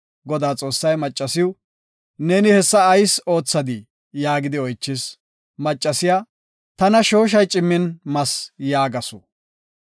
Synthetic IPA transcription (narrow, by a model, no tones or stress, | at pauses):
ɡɔd̪aːt͡sʼo̞ːsːɐjmɐt͡ʃʼːɐsɪjʊ | neːnɪhɛsːɐːjso̞ːt͡sːɐd̪ɪ | jaːɡɪd̪ɪɔjt͡ʃːɪs | mɐt͡ʃʼːɐsɪjaː | t̪ɐnɐʃo̞ːʃ̬ɐjt͡ʃʼɪmːɪnmɐsjaːɡɐsʊ